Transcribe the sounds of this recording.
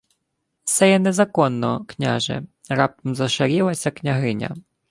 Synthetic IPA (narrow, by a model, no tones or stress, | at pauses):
sɛjɛnɛzakɔnːɔknʲa̰ʐɛ̰ | ɾap̚t̪ɔmzɐʂaɾʲilˠɐsʲɐknʲaɦɪnʲɐ̰